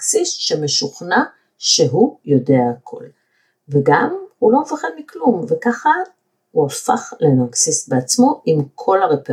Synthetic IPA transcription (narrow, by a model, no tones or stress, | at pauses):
ksisʃeme̞ʃuχna | ʃe̞ɦujo̞de̞aːkʰo̞̰l | veɡamhulo̞mefaχed̪miklumve̞kaχa | huafaχlenaksisbeat͡smo̞ʔimkʰo̞laʁepe